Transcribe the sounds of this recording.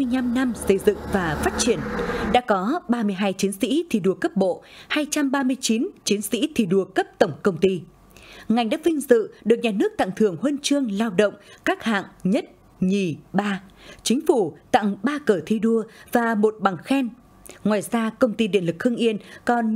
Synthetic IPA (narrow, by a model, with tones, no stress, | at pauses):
ɨ˧jɲa˧mna˧msə˧jzɨ̰˧˨ŋvaː˨˩faː˦˥t̚t͡ɕi˧˩ənɗa̰ː˧˥kɔ˨˦ɓaː˧mɨ˧əjɦaː˧jt͡ɕi˨˦ənsḭ˧˥t̪ʰi˧˩ɗu˧əkə˦˥p̚ɓo̰˧˨haː˧jt͡ɕa˧mɓaː˧mɨ˧əjt͡ɕi˨˦nt͡ɕi˨˦ənsḭ˧˥t̪ʰi˧˩ɗu˧˩əkə˦˥p̚t̪ə˧˩wŋ͡mkə˧wŋ͡mt̪i˧ | ŋa˨˩jŋ̟ɗa̰ː˧˥vï˧ŋ̟zɨ̰˧˨ɗɨ˨˩ək̚ɲaː˨˩nɨ˦˥ək̚t̪a̰˧˨ŋt̪ʰɨ˨˧˩əŋhəː˧nt͡ɕɨ˧əŋlaː˧wɗə̰˧˨wŋ͡mkaː˦˥k̚ha̰ː˧˨ŋɲə˦˥t̚ | ɲi˨˩ɓaː˧t͡ɕï˨˦ŋ̟fu˧˩t̪a̰˧˨ŋɓaː˧kəː˧˩t̪ʰi˧ɗu˧əvaː˨˩mo˨˩t̚ɓa˨˩ŋxɛ˧n | ŋwaː˨˩jzaː˧kə˧wŋ͡mt̪i˧ɗḭ˧˨ənlɨ˨˩k̚xʰɨ˧əŋʔi˧ənkɔ˨˩n